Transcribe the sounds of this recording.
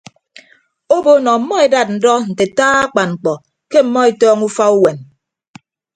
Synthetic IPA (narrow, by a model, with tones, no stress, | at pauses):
o˦bo˨nɔ˨m̩˨˦mɔ˦e˨da˦˨t̚n̩˨dɔ˦n̩˨te˨taː˦a˦k͡pa˨nŋ͡m̩˨k͡pɔ˨ | ke˦m̩˦mːɔ˦e˨tɔː˦ŋu˦fa˦u˦we˨n